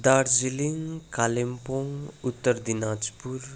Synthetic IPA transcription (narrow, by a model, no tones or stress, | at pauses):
d̪aɾziliŋkalempoŋut̪ːəɾd̪inad͡ʒpuɾ